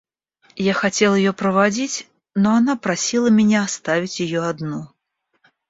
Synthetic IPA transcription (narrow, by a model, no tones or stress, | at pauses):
jaxat͡sʲɛlˠɐjjɔpɾɐvad͡zʲit͡sʲ | nɔanapɾasʲilˠɐmʲɛnʲɛast̪avʲit͡sʲjajɔad̪nɔ